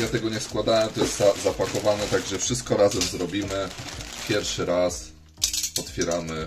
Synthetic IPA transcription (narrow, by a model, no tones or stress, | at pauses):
jat̪ɛɡɔɲɛskwad̪awɛmt̪ɔjɛst̪zazapakɔvanɛt̪aɡʐɛfʂɘst̪̚kɔɾazɛmzɾɔbʲimɘpʲjɛɾfʂɘɾas | ɔt̪fʲjɛɾamɘ